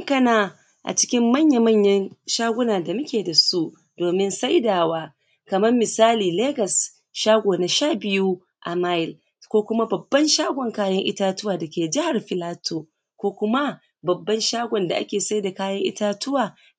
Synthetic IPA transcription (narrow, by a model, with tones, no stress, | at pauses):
ŋkɐ˦naː˨ | ʔa̰˨t͡ʃɪ̥˦kʲɪ˦mːɐ˦˨ɲja˨mɐ˦˨ɲjɐ˦nʃaː˦ɡʷʊ˦naː˨da˨mʊ˦kʲeː˨da˨su˦ | doː˨mɪ˦nsa˦jdaː˨waː˦ | kɐ˨mɐ˦mːɪ˨saː˦liː˨leː˦ɡɐ˨s | ʃaː˦ɡʷoː˨na˨ʃaː˦˨bɪ˦ju˦ | ʔa˨maː˦ɪ˨l | kʷoː˦kʷʊ˦ma˦bɐ˨bːɐ˦nʃaː˦ɡʷɔ˨ŋkaː˦jɐ˦ŋʔɪ̰˦taː˦tʊ˦waː˨dɐ˨kʲeː˨d͡ʒɪ˦ha˨rɸɪ˨laː˦tu˨ | kʷoː˦kʷʊ˦ma˦ | bɐ˨bːɐ˦nʃaː˦ɡʷɔ˨nda˨ʔa̰˦kʲeː˨sa˦jda˨kaː˦jɐ˦ŋʔɪ̰˦taː˦tʊ˦waː˨